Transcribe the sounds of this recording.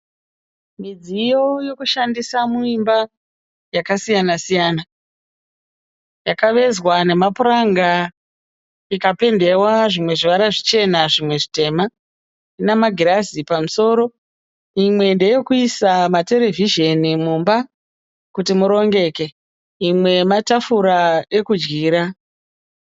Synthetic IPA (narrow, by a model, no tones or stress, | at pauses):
mid͡zijo̞jo̞kuʃandisamuimba | jakasijanasijaːna | jakaʋe̞zwane̞mapuɾaŋɡa | ikape̞nde̞waʐimwe̞ʐiʋaɾaʐit͡ʃe̞naʐimwe̞ʐite̞ma | inamaɡʱiɾazipamuso̞ːɾo̞ | imwe̞nde̞jokuisamate̞le̞viʒe̞nimumba | kutimuɾo̞ŋɡe̞ke̞ | imwe̞matafuɾae̞kud͡ʒɡiːɾa